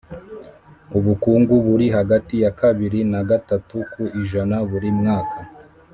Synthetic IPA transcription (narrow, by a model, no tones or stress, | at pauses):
uβukuːŋɡuβuɾiɦaɡatijakaβiɾinaɡatatukuiʒanaβuɾimŋaːkʰa